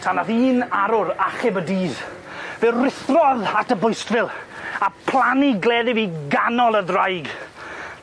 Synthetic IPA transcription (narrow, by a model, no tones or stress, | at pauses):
tʰanaðiːnaɾʊɾaχɪbədiːð | vɛrɪθrɔðatʰəbʊjstvɪlˠapʰlˠaniɡlɛːðɪviɡanɔlˠəðrajɡ